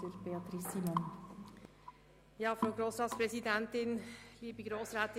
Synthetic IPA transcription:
əɾb̥eɑt̪ɾisːiːmɑn | jɑːfɾaʊɡɾoːsɾɑːtspɾɛzidɛntɪnliːbəɡɾoːsɾaːt̪

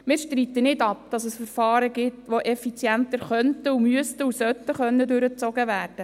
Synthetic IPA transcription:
mɪɾʃtɾiːt̪ənɪdɑp̚d̥ɑsəsfəɾfɑːɾəɡɪtʋoʔɛfit͡sjænt̪əɾχœnt̪əumyəst̪əusœt̪ːəχœnːədøɾət͡sɔɡəʋæːrd̥ə

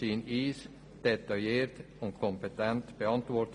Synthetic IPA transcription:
iniːs | d̪̥ɛt̪ɑeːɾt̪ | ɔŋkʰɔmpət̪ʰɛnt̪bɛɑnt̪ʋɔːɾt̪

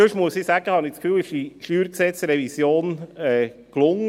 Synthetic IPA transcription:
øʃmuəsiːsæɡ̥əhɑnɪskfyːlɪʃiʃyːɾksɛt͡sɾɛvisjoːnɛː | klʊŋə

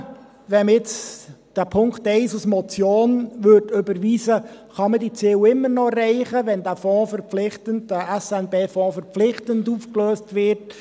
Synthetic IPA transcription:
ʋɛnɪt͡sd̥æːpʰʊŋktɛɪsusmɔt͡sjoːnʋøtʏbəɾʋiːsəχɑmədit͡siːwɪmːəɾnɔrɛɪχəʋɛndæːfɔ̃ːfəɾpp͡flɪχtənd̥æʔɛsɛnbeːfɔ̃ːfəɾp͡flɪχtənduːfkløːstʋɪɾt

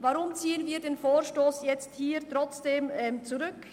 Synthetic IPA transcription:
vaʁʊmt͡siːənviːdeːnfoːɾʃtoːsjɛt͡sthiːɾtʁɔt͡sd̥eːmɛːmt͡suɾʏk

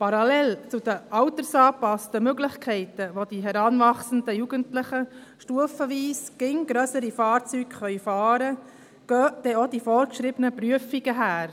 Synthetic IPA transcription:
pɑɾɑlɛlt͡sʊd̥̪əʔɑwt̪əɾsɑːpɑstəmøɡlɪçkʰɛɪtəʋodiɦɛɾɑnvɑχsəndəjuɡəntlɪχə | ʃtuəfəʋiːsɡ̥ɪŋɡ̥ɾœsəɾifɑːɾt͡syɡ̥χœʏfɑːɾə | ɡ̥œːd̥ɛodifɔːɾkʃɾɪbənəpɾyəfiɡ̥əɦæːɾ

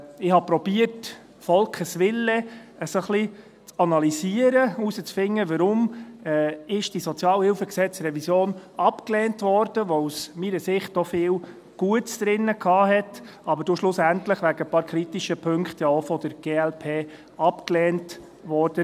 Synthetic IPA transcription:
ɪhɑpɾɔb̥iərt | fɔlkχəsʋɪlːəəsoχli | t͡sɑnɑlisiəɾəusət͡sfɪŋːəʋəɾʊmɛːɪʃd̥isɔt͡sjɑːlhɪlfəksɛt͡sɾɛvisjoːnɑpklɛːntʋɔɾd̥əʋɔusmiːɾəsɪχtɔfɪːl | ɡ̥uətsd̥ɾɪnːəkʰɑːɦɛt | ɑbəɾd̥oʃlʊsæntləχʋæɡəəpɑːɾkʰɾitiʃəpʰɵŋkχtjɑofɔd̥əɾɡ̥eːɛlpʰeː | ɑpklɛːnt | ʋɔɾd̥ə

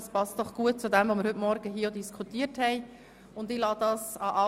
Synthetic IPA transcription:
spɑst̚d̥ɔχɡ̥uət̚t͡sʊdɛmvomɪəɾhɵtmɔɾɡ̥əɦiːəodiskʰutiːəthɛɪ | ʊndɪlɑːd̥ɑːsɑʔɑ

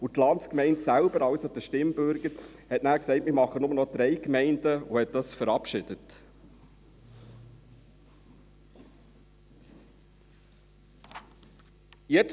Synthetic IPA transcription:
utlɑntskmɛɪntsælbəɾɑwsod̥̪əʃtɪmbʏɾɡəɾhɛtnæːksɛɪtmɪɾmɑχːənʊmənɔd̥̪ɾɛɪkmɛɪndəuhɛt̚d̥ɑsfəɾɑpʃɪd̥ət | jɛt͡s

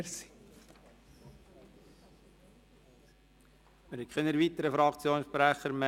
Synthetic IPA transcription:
ɾsi̥ | məɾhɛtkʰχɛnəɾʋit̪əɾəfɾɑkt͡sjoːnʃpɾæχəɾmɛ

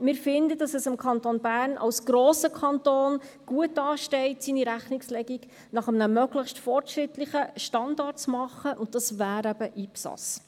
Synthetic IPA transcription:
mɪːɾfɪndəd̥ɑsɛsɪmkʰɑntonbæːrnʔɑ̰wsɡ̥ɾoːsəkʰɑntoːnɡ̥uətːɑːʃtɛɪtsiniɾæχnɪkslɛɡiɡ | nɑχəmənəmœɡləχʃtfɔrtʃrɪtlɪχəʃtɑndɑrtt͡smɑχəʔʊnt̚d̥ɑsvæːɾæb̥əʔiːpsɑ̰s

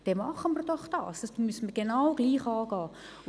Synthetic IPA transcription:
d̥ɛmɑχənmərd̥ɔχd̥ɑ̰ːsd̥ɑsd̥uːmysən̩mərɡ̥enawɡ̥liːχɑːɡ̥ɑː

